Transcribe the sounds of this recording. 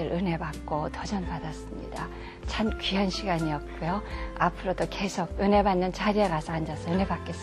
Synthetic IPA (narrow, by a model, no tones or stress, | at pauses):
ɯɾʔɯne̞bak̚k͈otʌd͡ʑʌnpadas͈ɯmɲḭda | t͡ɕʰankɥiɦanɕʰiɡaɲiʌt̚k͈ujoapʰɯɾodoke̞sʰoɡ̚ɯne̞banːɯnt͡ɕaɾieɡasʰʌand͡ʑasʰʌɯne̞bak͈e̞s͈